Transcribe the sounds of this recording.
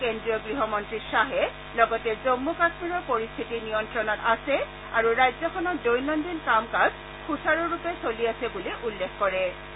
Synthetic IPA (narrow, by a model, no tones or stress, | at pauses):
kendɹijɔɡɹiɦɔmɔntɹisaɦɛ | lɔɡɔtɛzomːukasmiɹɔɹpoɹist̪ʰitinijɔntɹɔnɔtasɛ | aɹuɹajzɔxʰɔnɔt̚dojnɔndinkamkaz | xutʰaɹɔɹupɛsoliasɛbuliʔulːekkɔɹɛ